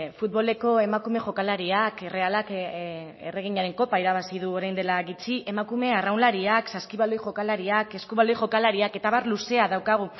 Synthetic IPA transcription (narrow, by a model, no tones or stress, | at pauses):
fut̪βo̞le̞ko̞e̞makume̞ʝo̞kalaɾiakere̞alak | ḛre̞ɣ̞iɲaɾe̞ŋko̞paiɾaβasið̞uo̞ɾajnd̪e̞laɣit͡ʃie̞makume̞arawnlaɾiaksaskiβalo̞jʝo̞kalaɾiake̞skuβalo̞jʝo̞kalaɾiake̞t̪aβaɾluse̞aðawkaɣ̞u